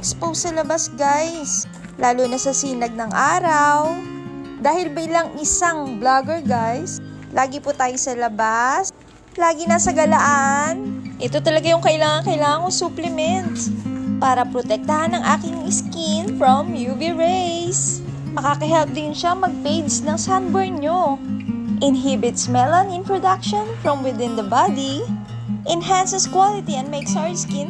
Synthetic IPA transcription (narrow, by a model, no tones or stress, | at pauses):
ɛkspowsɐlɐbasɡajs | laːlonɐsɐsiːnɐɡ̚nɐŋʔaːɾɐw | d̪aːhɪlbɐʔɪlɐŋʔɪsaŋblaɡɛɹɡajs | lʔaːɡɪpʊt̪aːjosɐlɐbas | laːɡɪnɐsɐɡɐlɐʔanʔɛt̪o̞t̪ɐlɐɡajʊŋkɐʔɪlaːŋɐŋkɐʔɪlaːŋɐŋosuːplɛmɛnt̪spaːɾɐpɾot̪ɛk̚t̪ɐhanːɐŋʔaːkɪŋɪskɪnfɹomjuːviɹejs | mɐkakɐɦɛlp̚d̪ɪnʃaŋmɐɡ̚pejd̪snɐŋsand̪bɛɹɲo | ʔɪnɦibɪt̪smɛlɐnɪ̃npɹod̪akʃonfɹɔmwɪd̪ɪ̃nd̪ɐbad̪i | ʔɛnɦansɛskwalɪt̪iɛ̃nd̪̚mejksaɹskɪn